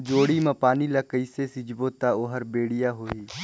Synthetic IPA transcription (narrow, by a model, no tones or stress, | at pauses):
d͡ʒoːɽimãpaːniləkəisesɪd͡ʒbot̪aoːɦəɾbeːɽijaɦoːiː